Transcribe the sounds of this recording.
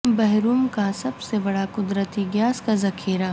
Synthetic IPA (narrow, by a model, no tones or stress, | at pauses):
bɛɦɾuːmkasɐbsebɐɽakʊd̪ɾət̪iɡjaːskazɐkʰiːɾa